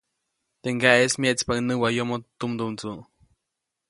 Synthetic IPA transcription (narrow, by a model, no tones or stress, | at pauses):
t̪eŋɡaʔesmjeʔt͡spanɨwajomot̪umd̪unt͡su